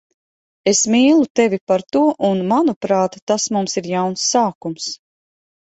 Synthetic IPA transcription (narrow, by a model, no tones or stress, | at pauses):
esmiːlˠut̪evʲipaɾt̪uɔʔunmanupɾaːt̪ːasmumsiɾjawnsːaːkums